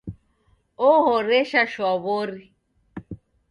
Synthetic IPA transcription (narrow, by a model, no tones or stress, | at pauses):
oɦoɾeʃaʃɔβoɾi